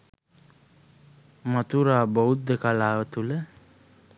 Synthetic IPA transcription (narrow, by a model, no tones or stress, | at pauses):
mat̪uɾaːboud̪əkalaːʋət̪ulə